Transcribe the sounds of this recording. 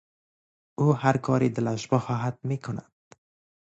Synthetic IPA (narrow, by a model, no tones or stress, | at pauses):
ʊhaɾkʰɒɾid̪ɪlaʃbɒhɒɦat̪̚mekʰʊna̰d̪